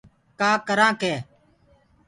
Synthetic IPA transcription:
kaːkəɾãːkeː

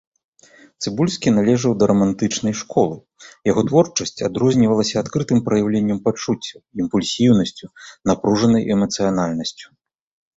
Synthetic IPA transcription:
t̪sɨbulʲsʲkʲinalʲɛʐɐwd̪ɐɾɐmant̪ɨt͡ʂnɐjʂkɔlˠɨ | jaɣɔt̪vɔrt͡ʂɐsʲt͡sʲad̪ɾɔzʲnʲivɐlˠɐsʲɐːt̪kɾɨt̪ɨmpɾɐjawlʲenʲːɐmpat͡ʂut͡sʲːɐimpulʲsʲiwnɐsʲt͡sʲunapɾuʐɐnɐjʔɛmɐt̪sɨjanalʲnɐsʲt͡sʲu̥

